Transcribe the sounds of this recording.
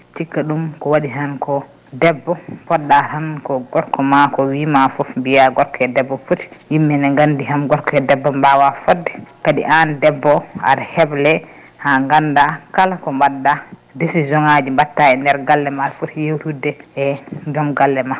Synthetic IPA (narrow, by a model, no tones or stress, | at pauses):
tikːaɗumkɔwaɗiɦankɔ | dɛbːɔpɔdːahankɔɡɔɾkɔmakɔwimafɔfmbijaɡɔɾkɔɛdɛbːɔfuti̥jimːɛnɛŋɡandiɦamɡɔɾkɔɛdɛbːɔmbawafɔdːɛkaɗḭʔandɛbːɔa̰ɾhɛblɛ | haŋɡandakalakɔmbaɗːadisizɔŋad͡ʒimbatːaɛndɛɾɡalːɛmaɾfutjewtudːɛɛd͡ʒɔmɡalːɛma